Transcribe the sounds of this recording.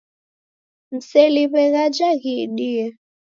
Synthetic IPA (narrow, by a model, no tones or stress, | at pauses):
n̩seliβɛɣad͡ʒaɣiɗiɛ